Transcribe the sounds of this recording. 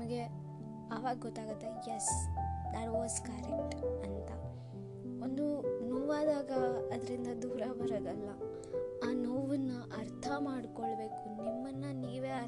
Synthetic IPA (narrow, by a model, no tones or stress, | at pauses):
mɐɡe̞ | ɐʋaːɡɐɡɔt̪ːaːɡut̪ːejesd̪aʈoːskɐɾekʈɐnt̪ɐ | ond̪unoʋaːd̪aːɡɐːd̪ɐɾind̪ɐd̪uːɾɐbɐɾɐd̪ɐlːɐ | aːnɐʋɐnːɐʔɐɾt̪ʰɐmaːɖkoɭbe̞ːkunimːɐnːɐniːʋeːɐ